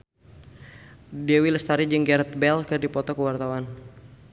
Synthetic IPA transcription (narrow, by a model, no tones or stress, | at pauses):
dɛwiləst̪aɾid͡ʒəŋɡɛɾt̪̚bɛlkɨrdipɔt̪ɔkəwart̪awan